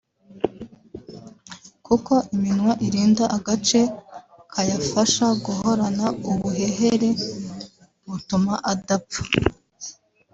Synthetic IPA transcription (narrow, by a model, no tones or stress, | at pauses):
kuko̞ʔiminwaʔiɾiːndaʔaɡat͡ʃe̞ | kʰajafaʃaɡuɦo̞ɾanauβuɦe̞ɦe̞ɾe̞ | βutumaʔadapu̥